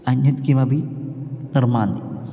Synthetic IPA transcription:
ɐnjɐt̪kimɐbinɐrmaːnd̪i

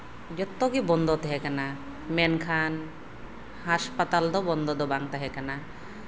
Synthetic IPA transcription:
d͡ʒɔt̪ːɔɡibɔnd̪ɔt̪ɛɦɛkana | mɛnkʰan | haspat̪ald̪ɔbɔnd̪ɔd̪ɔbaŋt̪aɦɛkana

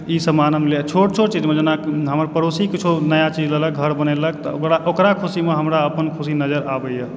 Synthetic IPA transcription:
isəmanəmlet͡ʃʰoʈ̚t͡ʃʰoʈt͡ʃid͡ʒmed͡ʒenaɦəməɾpəɾosikit͡ʃʰunəjat͡ʃid͡ʒlələk̚ɡʱəɾbənɛləkt̪ɔkɾaʔokɾakʰusimeɦəmɾaəpənkʰusinəd͡ʒəɾabəjə

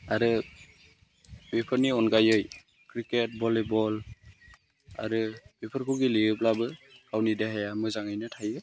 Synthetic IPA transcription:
aɾɯ | bipʰɯɾniɔnɡajɯj | kɾiket̚bɔlebɔl | a̰ɾɯbipʰɯɾkʰɯɡiliɯp̬̚labɯkawnideɦajamɯzaŋajnɯtʰajɯ

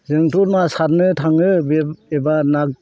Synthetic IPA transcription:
zɯŋtʰɔɾmasaɾnɯtʰaŋɯbeebanak̚

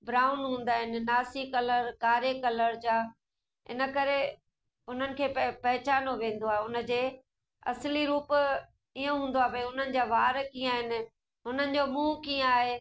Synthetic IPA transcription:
bɾaːʊnɦũːn̆d̪aːɦɪnɪ̆naːsikɐləɾkaːɾekɐləɾd͡ʑaː | ɪ̰nə̆kɐɾe | ɦʊn̤ənɪ̆kʰeːpɐɦɪt͡ɕaːnoʋẽːn̆d̪oaːɦeʊnə̆d͡ʑeː | ɐ̰sliɾuːp | iːõɦũːnd̪oaːɦebɐiʊn̤ənɪ̆d͡ʑaːʋaːɾkĩaːɦɪnɪ̆ | ɦʊn̤ənɪ̆d͡ʑoːmũːkiə̃aːɦeː

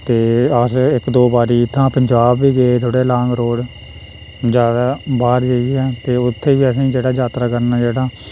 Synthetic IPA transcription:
t̪eːəsɪkd̪oːbaːɾiːɪt̪ʰːãːpəɲd͡ʒaːbːiːɡeet̪ʰoːɽeːlãːŋɡɾoːɽ | d͡ʒaːɾaːbaːɾd͡ʒəiɛːt̪eːʊt̪ʰːeːʋiːəsĩːd͡ʒeːɽaːd͡ʒaːt̪ɾaːkəɾnaːd͡ʒeːɽaː

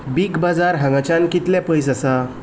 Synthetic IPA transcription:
biɡbad͡zaɾɦə̃ŋat͡ɕãnkit̪lɛ̃pəjs̬asa

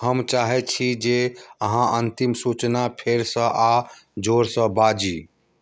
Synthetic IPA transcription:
ɦəmt͡ʃaɦɛt͡ʃʰid͡ʒeəɦãʔənt̪imsut͡ʃnapʰeɾsə̃ʔad͡ʒoɾsə̃bad͡ʒi

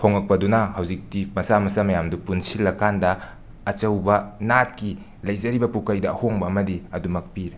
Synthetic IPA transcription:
pʰoŋɐk̚pɐdunɐhɐwzik̚timɐsamɐsɐmɐjamdupunsilːɐkandɐː | t͡ʃɐwbɐnat̚ki | lɐjzɐɾibɐpukɐjdɐɐhoŋbɐːmɐdiɐdumɐk̚piɾe

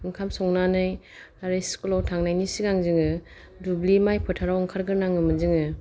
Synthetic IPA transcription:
ɯŋkʰamsɔŋnanɯj | aɾɯskɔlɔwtʰaŋnajnisiɡaŋzɯŋɯ | dublimajpʰɯtʰaɾawɯŋkʰaɾɡɯɾnaŋɯmɯzɯŋɯ

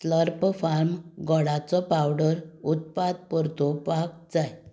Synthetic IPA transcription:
sləɾpfaɾmɡɔɽat͡sɔpawɖəɾut̪̚pad̪̚pəɾt̪opak̚d͡zaj

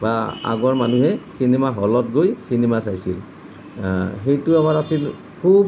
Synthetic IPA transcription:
baa̰ɡɔɹmanuɦɛsinemaɦɔlɔt̚ɡojsinemasajsḭl | xejtʊamaɹasil | kʰub

